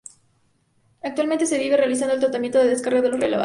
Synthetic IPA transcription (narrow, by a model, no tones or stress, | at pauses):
ak̚t̪walment̪e̞se̞βiβerealisand̪olt̪ɾat̪amjent̪oeðes̬kaɾroðe̞lo̞sreleβa̰